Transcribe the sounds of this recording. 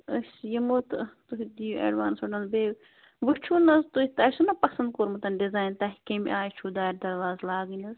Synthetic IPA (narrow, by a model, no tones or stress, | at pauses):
əsjɐmut̪t̪uɦid̪ijḛɖʋaːnsɐɖɐnbeː | ʋɨt͡ʃʰunɐzt̪ut̪ɐsunɐpɐsɐnd̪̚koːɾmɐt̪ɐnɖizaːjnt̪ɐɦikemḭʔaːjt͡ʃʰud̪aːɾd̪ɐɾʋaːzlaːɡinɐz